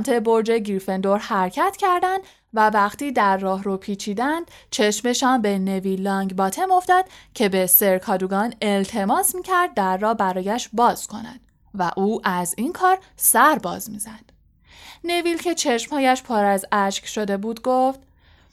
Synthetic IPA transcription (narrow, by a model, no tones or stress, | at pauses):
mt̪ʰe̞bo̞ɾd͡ʒe̞ɡiɾfe̞nd̪o̞ɾhæɾcʰæt̪ʰcʰæɾd̪ænd̪ | vævæχt̪iːd̪æɾːɒːɦɾopʰiːt͡ʃʰiːd̪ænd̪̥ | t͡ʃʰe̞ʃme̞ʃɒːnbe̞ne̞vilːɒŋɡbɒːt̪ʰe̞mo̞fd̪ɒd̪̥cʰe̞be̞se̞ɾkʰɒːd̪uɡɒːne̞lt̪ʰe̞mɒːsmiːcʰæɾd̪̚ːæɾːɒːhbæɾɒːjæʃbɒːz̥kʰo̞næ̰d̥̪ | væʔuːʔæzinkʰɒːɾsæɾbɒ̰ːzmiːzæd̪̥ | ne̞vilcʰe̞t͡ʃʰe̞ʃmhɒːjæʃpʰɒːɾæzæʃcʃo̞d̪e̞buːd̪ɡoft̪